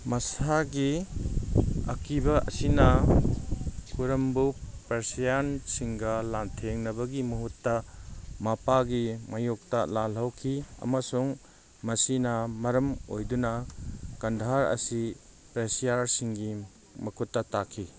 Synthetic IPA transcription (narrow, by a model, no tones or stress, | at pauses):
mɐsaɡi | ɐ̰kʰibɐɐ̰sinɐ | kuɾɐmbupɾesijansiŋɡɐlantʰeŋnɐbɐɡimɐɦutːɐmapaɡimajok̚tɐlalɐwkʰiɐ̰mɐsuŋ | mɐsinɐmɐɾɐmo̰jdunɐkɐndʱaɾɐ̰si | pɾesijaɾsiŋɡi | mɐkʰutːɐtakʰːi